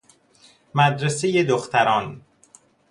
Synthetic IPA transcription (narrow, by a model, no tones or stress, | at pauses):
mæd̪ɾesejed̪oxt̪ʰæɾɒːn